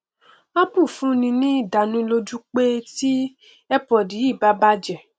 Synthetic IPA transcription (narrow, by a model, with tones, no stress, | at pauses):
a˦pũ˦˨fũ˦nĩ˧nĩ˦i˦˨da˨nũ˧lo˧d͡ʒu˦k͡pe˦ti˦ | ɛ˦pɔ˨di˨˦i˦˨ba˦ba˦d͡ʒɛ˨